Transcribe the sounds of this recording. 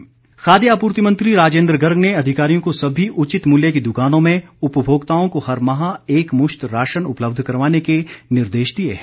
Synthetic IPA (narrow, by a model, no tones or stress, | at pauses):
xaːd̪jaːpuːɾt̪imə̃nt̪ɾiɾaːd͡ʒẽːnd̪ɾəɡɐɾɡneɐd̪ʱɪkaːɾijõkosɐbʱiʔʊt͡ʃɪt̪muljekid̪ʊkaːnõmẽʊpəbʱoːɡt̪aːõkohɐɾmɐɦãeːkmʊʃt̪ɾaːʃənʊpləb̚d̪ʱkɐɾʋaːnekenɪɾd̪eːʃd̪iḛɦɛ